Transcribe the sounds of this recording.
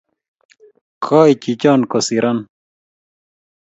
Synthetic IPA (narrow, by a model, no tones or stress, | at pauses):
kʰaːit͡ɕit͡ɕaːnkosiɾʔɐn